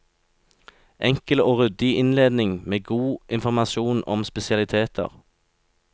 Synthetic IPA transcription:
ʔɛŋkəloːʁʉd̪ɪʔɪnleːd̪nɪŋmeːɡuːʔɪnfɔʁmɑsuːnʔɔ̰mspɛsɪɑlɪt̪ʰeːt̪ʰə̰ʁ

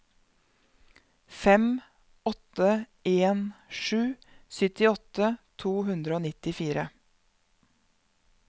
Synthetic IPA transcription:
fɛm | ɔt̪ə | eːnʃʉː | sʏt̪ɪɔt̪ət̪ʰuːhʉnd̪ɾəoːnɪt̪ɪfiːɾə

